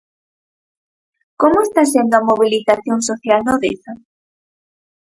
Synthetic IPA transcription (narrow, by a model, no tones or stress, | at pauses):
komoest̪asend̪oɐmoβ̞iliθaθjoŋsoθjalnoðḛθa